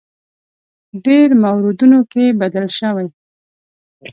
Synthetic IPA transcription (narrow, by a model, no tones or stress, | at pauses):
ɖeɾmawɾud̪unokebad̪alʃəwaj